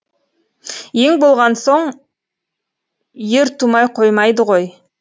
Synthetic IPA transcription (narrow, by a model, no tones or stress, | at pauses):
je̞ŋbo̞lˠʁɑnso̞ɴ | je̞ɾt̪ʰumɑjqʰo̞jmɑjd̪əʁo̞j